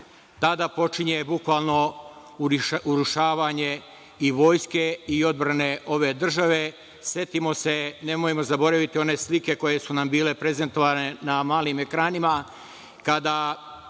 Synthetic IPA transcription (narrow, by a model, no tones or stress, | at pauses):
t̪ad̪apo̞t͡ʃiɲe̞bukʋaːlˠno̞ | uɾuʃaːʋaɲe̞ | iʋo̞ːjske̞io̞d̪̚bɾane̞ʔo̞ʋe̞ːd̪r̩ʒaʋe̞ | sje̞t̪imo̞se̞ne̞mojemo̞zabo̞ɾaʋit̪io̞ne̞slike̞ko̞je̞sunambiːle̞pɾe̞ze̞nt̪o̞ʋaːne̞namaːlime̞kɾaːnima | kad̪a